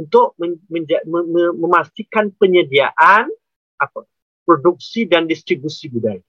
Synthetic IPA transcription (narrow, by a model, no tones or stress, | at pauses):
unt̪ʊʔ̚mə̃mə̃ɲd͡ʒaəəmə̃mast̪ikanpəɲədiaʔan | ʔapa | pɾoduk̚sidandist̪ɾibusibudaj